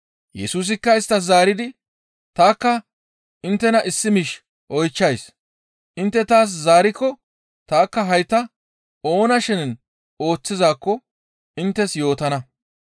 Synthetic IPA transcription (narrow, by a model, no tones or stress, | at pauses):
jɛsuːs̬ɪkːɐɪst̪ːɐs̬zaːɾɪd̪ɪ | t̪aːkːɐ | ɪnt̪ːɛnɐʔɪsːɪmɪʃ | ʔɔjt͡ʃːɐjs | ʔɪnt̪ːɛt̪aːs̬zaːɾɪkːɔ | t̪aːkːɐɦɐjt̪ɐ | o̞ːnɐʃɪnn | o̞ːt͡sːɪzaːkːɔ | ɪnt̪ːɛsjo̞ːt̪ɐnɐ